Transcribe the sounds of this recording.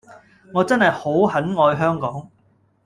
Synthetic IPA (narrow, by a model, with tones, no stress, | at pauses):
ŋɔː˨˧t͡sɐ˥nhɐ˨jho˨˥whɐ˨˥nŋɔː˧jɦœː˥ŋkɔː˨˥ŋ